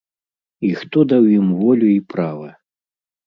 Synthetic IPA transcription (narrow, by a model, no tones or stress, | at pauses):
ixt̪ɔd̪awjimvɔlʲuipɾavɐ